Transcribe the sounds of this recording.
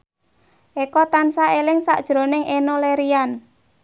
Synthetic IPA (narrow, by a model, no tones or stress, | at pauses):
ʔekɔt̪ansaelɪŋsa̰ʔd̥ʒ̥ɾo̤nɪŋʔenoleɾian